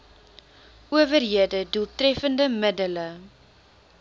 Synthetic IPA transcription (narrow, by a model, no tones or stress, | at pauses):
ʔuəvərɦiədəduəlˠtrɛfəndəmədələ